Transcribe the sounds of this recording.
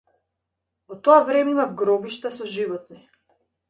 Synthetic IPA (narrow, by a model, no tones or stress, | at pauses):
vɔt̪ɔavɾɛmɛimavɡɾɔbiʃt̪asɔʒivɔt̪̚ni